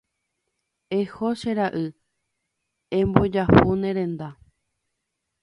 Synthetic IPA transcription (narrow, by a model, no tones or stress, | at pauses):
ehoʃeɾaʔɨ | ẽmbod͡ʒahunẽɾẽ̞nd̪a